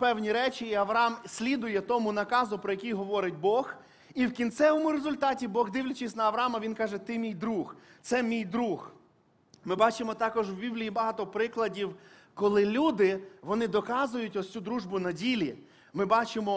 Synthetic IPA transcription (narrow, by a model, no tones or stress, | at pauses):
pɛwnʲiɾɛt͡ʃiːɐʋɾɐɑmsʲlʲid̪ʊjɛt̪ɔmʊnɐkɑzʊpɾɔjɐkʲijɦɔʋɔɾɪt̚ʲbɔx | iwkʲint̪sɛʋɔmʊɾezʊlʲt̪ɑtʲibɔɣd̪ɪwlʲɐt͡ʃɪsʲnɐɐʋɾɐɑmɐʋʲinkɑʒɛt̪ɪmʲijd̪ɾuxt̪sɛmʲijd̪ɾux | mɪbɑt͡ʃɪmɔt̪ɑkɔʒwbʲiblʲiibɐɦɑt̪ɔpɾɪklˠɐdʲiwkɔlˠɪlʲud̪ɪʋɔnɪd̪ɔkɑzʊjʊtʲɔsʲt͡sʲud̪ɾuʒbʊnɐdʲilʲi | mɪbɑt͡ʃɪmɔ